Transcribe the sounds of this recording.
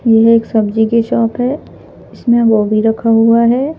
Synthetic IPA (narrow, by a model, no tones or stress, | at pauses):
jɛɦeːksɐbd͡ʒikeʃɔːpɦɛː | ɪsmẽɡoːbiɾɐkʰaɦuaɦɛː